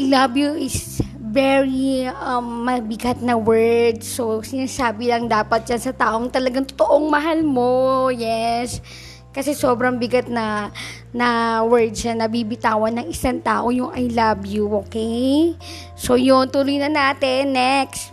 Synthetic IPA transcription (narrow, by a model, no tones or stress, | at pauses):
jlabjuɪs | vɛɹiɐmːɐbɪɡat̪̚nɐwɛɹd̪sosɪnaːsaːbɪlɐŋd̪aːpɐt̪̚d͡ʒɐnsɐt̪aːʔo̞ŋt̪ɐlɐɡaŋt̪ot̪ɐʔoŋmɐɦalmojɛs | kɐsɛsoːbɾɐŋbɪɡat̪̚nɐ | nɐwɛɹd̪̚ʃanɐbibɪt̪aːwɐnːɐŋɪsaŋt̪a̰ːʔo̞jʊŋʔɐjlabjuʔokej | so̞jont̪uːlojnɐnaːt̪ɛnːɛkst̪